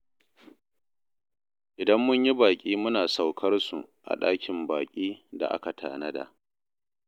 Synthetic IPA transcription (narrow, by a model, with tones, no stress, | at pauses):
ʔɪ˨dɐ˦mːʊ˦ɲji˦baː˨kʲʼiː˦mʊ˦naː˨sa˨wkʰɐ˦rsṵ˨ʔa̰˨ɗa̰ː˦kʲʰɪ˨mbaː˨kʲʼiː˦da̰˨ʔa̰˦ka˨tʰa̰ː˨nɐ˦da̰˨ʔ